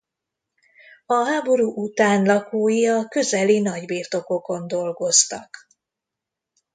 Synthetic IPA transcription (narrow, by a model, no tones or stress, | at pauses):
ɒɦaːbo̞ɾuːʔut̪aːnlɒkoːjiɒkø̞zɛlinɒɟbiːrt̪o̞ko̞ko̞nd̪o̞lɡo̞st̪ɒk